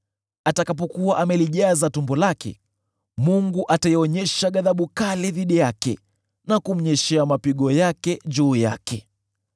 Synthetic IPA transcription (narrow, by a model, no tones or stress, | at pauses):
atakap̬ɔkuwaʔamɛliʄazatumbɔlakɛ̰ | muŋɡuʔataiɔɲɛʃaɠaðaɓukalɛðiɗijakɛ̰ | nakum̩ɲɛʃɛamapiɠɔjakɛd͡ʒuːja̰kʰɛ